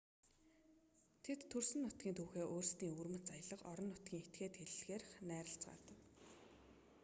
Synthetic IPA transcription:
t̪ʰet̪ʰːɵrsɘ̆nːʊt̪ɡ̥ʲiːnt̪ʰuːxeːʔoːrst̪iːŋurmɘ̆t̪t͡sajə̆ɮə̆qɔɾɞ̆nːʊt̪̚ɡʲiːŋet̪ɡeːt̪xeɮɘ̆ɮxeːrχnæːɾə̆ɬt͡sɢa̰ːt̪ə̆w

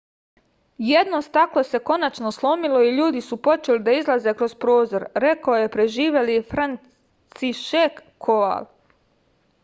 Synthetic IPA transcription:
jed̪nost̪aklo̞se̞ko̞nat͡ʃno̞slˠo̞milo̞iʎuːd̪isupo̞t͡ʃelid̪aizlˠaze̞kɾo̞zpɾoːzo̞ɾɾe̞kaojepɾe̞ʒiːʋe̞lifɾan | siʃek | kʰːoʋa̰l

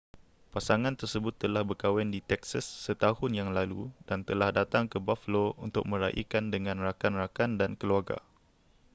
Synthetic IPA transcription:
pasaŋãnt̪ərsəbʊt̪ːəlahbərkawɛndit̪ɛksasːət̪ahʊnjaŋlalṵdant̪əlahdat̪aŋkəbafəloṵnt̪ʊ̰k̚mə̃ɾaʔḭkandəŋãnrakanrakandankəluarɡa̰

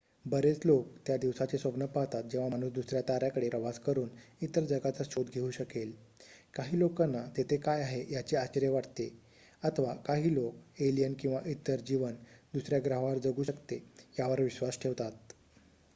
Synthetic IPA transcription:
bəɾet͡slok̚t̪jad̪iʋsat͡sesəpnəpaɦt̪at̪̚d͡ʑẽʋaañuːsd̪usɾjat̪aɾjakəɽepɾəʋaskəɾuːnit̪əɾd͡zəɡat͡saɕod̪ɡʱeuːɕəkelkaɦiːlokanːat̪et̪ʰekajaɦejat͡ɕeat͡ɕəɾjeʋaʈt̪e | ət̪ʰʋakaɦiːlok̚elijənkĩw̃ʋaʔit̪əɾd͡ʑiʋənd̪usɾjaɡɾaɦʋaɾd͡zəɡuːɕəkt̪ejaʋəɾʋiɕʋasʈʰeʋt̪at̪̚

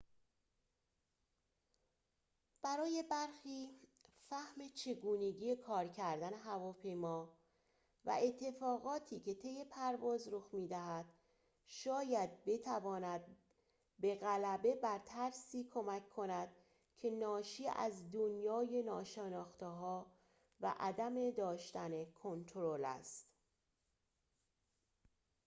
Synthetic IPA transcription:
b̥æɾɒːje̞bæɾxiːfæhme̞t͡ʃʰe̞ɡuːne̞ɟiːje̞kʰɒːɾcʰæɾd̪æne̞ɦævɒːpʰe̞jmɒː | væ̰ʔe̞t̪ʰːe̞fɒːɣɒːt̪ʰiːcʰe̞t̪ʰe̞jːe̞pʰæɾvɒːzɾoxmiːd̪æɦæd̪̥ | ʃɒːjæd̪̚be̞t̪ʰævɒːnæd̪̚ | be̞ɣælæbe̞bæɾt̪ʰæɾsiːkʰo̞mækʰkʰːo̞næd̪̥ | cʰe̞nɒːʃiːæ̰zd̪onjɒːje̞nɒːʃenɒːxt̪eɦɒː | væ̰ʔæd̪æme̞d̪ɒːʃt̪ænekʰo̞nt̪ʰoɾolæ̰st̪

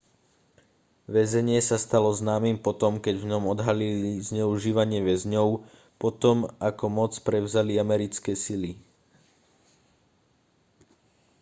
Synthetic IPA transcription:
ʋɛzɛɲɪɛsast̪alɔznaːmimpɔt̪ɔmkɛɟvɲɔmɔd̪ɦalilizɲɛuʒiːʋaɲɪɛʋɛzɲɔʊ | pɔt̪ɔmakɔmɔt͡spɾɛʊzaliamɛɾit͡skɛːsili

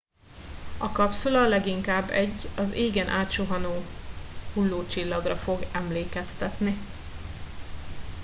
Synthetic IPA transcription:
ɒkɒpsolɒlɛɡiŋkaːbːɛɟːɒzeːɡɛnʔaːt̪ʃoɦɒnoːhulːoːt͡ʃilːɒɡrɒfo̞ɡɛmleːkɛst̪ɛt̪ni

